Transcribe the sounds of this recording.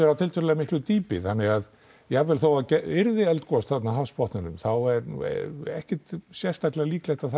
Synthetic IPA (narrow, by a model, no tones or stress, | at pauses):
ɛɾawt̪ʰɪlt̪ʰœɾʏlɛɣamɪhklʏt̪iːpɪ̰θanːɪɣað | jɛavɛːlθowacɛɪɾðɪɛlt̪kɔst̪θat̪naɦaspɔht̪nɪnʏ̰mθawɛɾnṵɛ̰ɛ̰hcɪt̪sjɛ̥st̪aklɛɣaliːklɛjht̪aðθ